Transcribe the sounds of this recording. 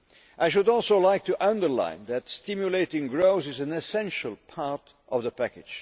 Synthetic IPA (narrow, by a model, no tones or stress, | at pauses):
ʔaɪʃ̬ɨdɔlˠsoʊlaɪk̚tʰɨʔʌ̃ndə˞lã̰ɪ̃nðɨtstɪmjuleɪtɪ̃ŋɡɹoʊθɨzɨ̃nɨsɛ̃nʃəl̩ˠpʰɑɹt | ʔʌvðəpækɨd̥ʒ̥